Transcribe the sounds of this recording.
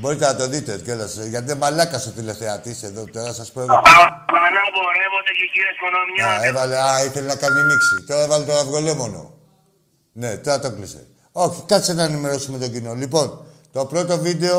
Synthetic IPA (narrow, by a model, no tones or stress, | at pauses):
bo̞ɾit̪enɐt̪o̞ðit̪e̞colɐsʝɐt̪iemɐlɐkɐsot̪ile̞θe̞ɐt̪ise̞ðo̞t̪o̞ɾɐsɐspo | nɐmbolevot̪ececiɾiezmonomɲaevɐleɐiθe̞lenɐkɐnimiksit̪o̞ɾɐe̞vɐlet̪oɾɐvɣo̞le̞mo̞no̞̰ | ne̞t̪o̞ɾɐt̪oklise̞̰ | o̞çikɐsenɐenime̞ɾo̞sume̞t̪o̞ɟino̞lipo̞nt̪o̞pɾo̞t̪o̞vid̪e̞o̞